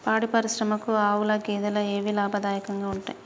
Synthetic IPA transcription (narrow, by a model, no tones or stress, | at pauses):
paːɽipɐɾiʃɾɐmɐkuaːwulɐɡɛːd̪ɐlɐeːʋilaːbʱɐd̪aːjɐkɐŋɡaːuɳʈa̰ːji